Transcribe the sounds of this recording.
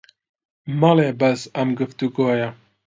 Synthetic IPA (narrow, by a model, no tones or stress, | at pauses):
mɑleːbɐsɐmɡɨft̪uɡoːjɛ